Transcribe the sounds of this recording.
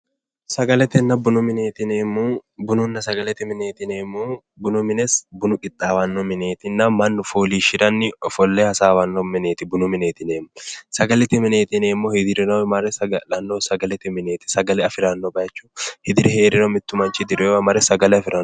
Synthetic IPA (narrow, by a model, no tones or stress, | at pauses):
sɐɡɐlɛt̪ɪnːɐbʊnʊmɪneːt̪ɪneːmːubʊnʊnːɐsɐɡɐlɛt̪ɪmɪneːt̪ɪneːmːu | bʊnʊmɪnɛsbʊnʊkʼɪt̪ʼːaːwɐnːɔmɪneːt̪ɪnːɐmɐnːʊfoːliːʃɪɾɐnːɪɔfɔlːehɐsaːwɐnːɔmːɪneːt̪ɪbʊnʊmɪneːt̪ɪneːmːʊsɐɡɐlɛt̪ɪmɪne̞ːt̪ɪneːmːɔhɪd̪ɪɾɪnɐwmɐɾɛsɐlɐnːɔsɐɡɐlɛt̪ɪmɪne̞ːt̪ɪ̥sɐɡɐlɛɐfɪɾɐnːɔbɐjɐt͡ʃːu̥hɪd̪ɪɾɪhe̞ːɾɪnɔmɪt̪ːʊmɐnt͡ʃɪd̪ɪɾwɐmɐɾɛsɐɡɐlɛɐfɪɾɐn